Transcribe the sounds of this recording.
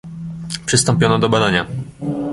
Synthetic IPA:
pʂɨst̪ɔmpʲjɔnɔd̪ɔbad̪aɲa

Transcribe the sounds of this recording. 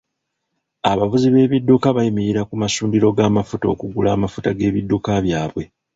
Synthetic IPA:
aβavuziβe̞ːβidːukaβajimiɾiɾakumasuːndiɾo̞ɡaːmafuto̞ːkuɡulaːmafutaɡe̞ːβidːukaβjaːβwe̞

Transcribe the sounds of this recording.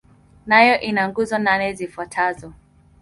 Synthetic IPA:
najɔʔinaŋɡuzɔnanɛzifwatʰazɔ

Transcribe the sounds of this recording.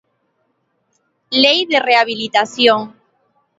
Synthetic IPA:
lejðereaβ̞ilit̪aθjoŋ

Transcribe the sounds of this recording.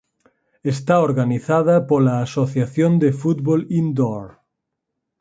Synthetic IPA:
est̪aoɾɣaniθaðɐpolaːsoθjaθjond̪efut̪bβolind̪oɾ

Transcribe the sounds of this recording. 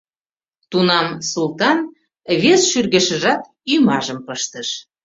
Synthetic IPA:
t̪unɑmsulˠt̪ɑn | βesʃyrɣə̆ʃə̆ʒɑt̪ | ymɑʒəmpəʃt̪əʃ

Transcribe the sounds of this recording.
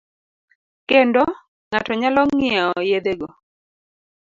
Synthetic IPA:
kendɔ | ŋatɔɲalɔŋŋɪɛɔjed̪eɡo

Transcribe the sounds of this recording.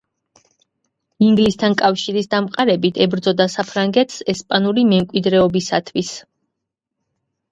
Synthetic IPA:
iŋɡlist̪ʰankʼafʃiɾisd̪amqʼaɾɛbit̪ʰɛbɾd̪zɔd̪asapʰɾaŋɡɛt̪ʰsɛspʼanuɾimɛmkʼwid̪ɾɛɔbisat̪ʰwis

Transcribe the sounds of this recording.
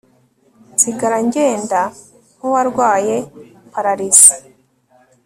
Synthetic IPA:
ziɡaɾaɲɟe̞ːnda | howaɾɡwaːje̞ | paɾaɾizi̥

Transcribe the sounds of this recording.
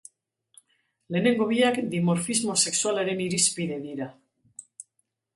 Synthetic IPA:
leneŋɡoβiakd̪imoɾfizmose̞kswaleɾeniɾispiðeðiɾa

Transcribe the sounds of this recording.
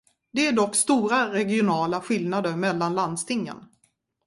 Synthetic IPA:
d̪ɛæɖɔkːst̪uːɾaɾɛɡɪʊnɑːlaɧɪlnad̪əɾmɛlːanland̪st̪ʰɪŋːə̰n

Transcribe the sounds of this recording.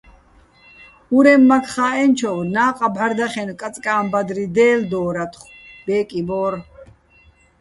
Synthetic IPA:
uɾɛmːakʰχaːɛnt͡ʃʰɔwnaːqʼabaɾd̪aχɛnkʼat͡sʼkʼaːmbad̪ɾid̪ɛːld̪ɔːɾat̪ʰχ | b̥ɛːkʼibɔːɾ

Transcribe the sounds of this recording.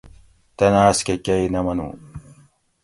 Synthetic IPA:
t̪ɐnaːskekɐinɐmɐnṵ̃ː

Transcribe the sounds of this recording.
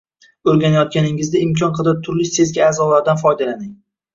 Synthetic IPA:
ɵɾɡʲanajɒt̪̚kʲanɪŋɪzd̪aɪmkʲʰɒnqʰɨd̪at̪ʰʊɾlɪsezɡʲaːzɒlaɾd̪anfɒjd̪alanɪŋ

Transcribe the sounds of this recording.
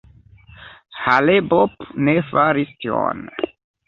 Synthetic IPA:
halebopnefaɾistio̰n

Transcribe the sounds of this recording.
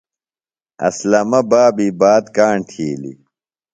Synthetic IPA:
ɐ̰slɐmɐbaːbibaːd̪kaːɳt̪ʰiːlḭ

